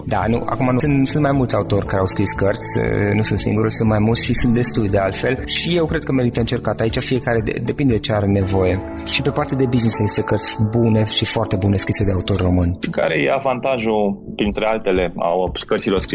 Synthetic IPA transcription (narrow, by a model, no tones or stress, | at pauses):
d̪a̰nṵʔa̰kumanusunt̪sunt̪majmult̪sʲaut̪o̞rʲkaɾeawskɾiskərt̪sʲnusunt̪sḭŋɡuɾulsunt̪majmult̪ʲʃisunt̪̚d̪e̞st̪ujd̪ealt̪felʃije̞wkɾe̞d̪̚kəme̞ɾit̪əɨnt͡ʃe̞rkat̪ait͡ʃafije̞kaɾe̞d̪ḛd̪e̞pind̪ed̪et͡ʃeaɾe̞ne̞vo̞je̞ | ʃipe̞part̪ead̪e̞biznisazist̪ekərt̪sʲbune̞ʃifoart̪e̞bune̞skɾise̞d̪e̞aut̪o̞rʲro̞mɨnʲʃika̰ɾejḛavant̪aʒupɾint̪ɾe̞alt̪e̞le̞a̰wkərt̪ilo̞rskɾi